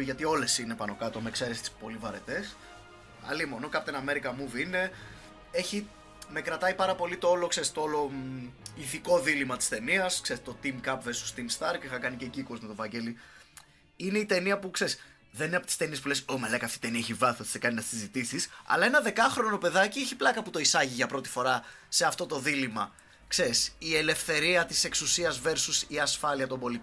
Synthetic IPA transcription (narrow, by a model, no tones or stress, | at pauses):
ʝɐt̪io̞le̞sinepɐno̞kɐt̪o̞mekseɾest̪i̥spo̞livɐɾe̞t̪e̞s | ɐ̰limo̞nokɐpot̪inɐme̞ɾikɐmuvine̞ | e̞çi | me̞kɾɐt̪ɐipɐɾɐpo̞lit̪oolokse̞ɾist̪oolo̞ | iθiko̞ðilimɐt̪i̥st̪e̞niɐsksest̪o̞t̪imkɐpveist̪ost̪imst̪ɐɾcexɐkɐnicecikozmet̪ovɐɲɟe̞li | ineit̪e̞niɐpukse̞ɾis | ðenineɐpot̪i̥st̪e̞nies̬pulesomelɐkɐft̪it̪e̞niɐeçivɐθiot̪isekɐninɐst̪esizit̪isisɐ̰lɐe̞nɐðe̞kɐxɾono̞pe̞ðɐcieçi̥plɐkɐput̪o̞isɐʝiʝɐpɾo̞t̪i̥fo̞ɾɐ | se̞ɐft̪o̞t̪o̞ðilimɐ | kse̞ɾisie̞le̞fθe̞ɾiɐt̪ise̞ksusiɐzve̞ɾsusiɐsfɐliɐt̪o̞mbo̞lit̪